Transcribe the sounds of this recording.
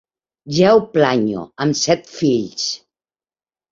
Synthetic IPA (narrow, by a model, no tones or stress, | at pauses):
ʒɛwplaɲo̰əmsɛt̪fiʎs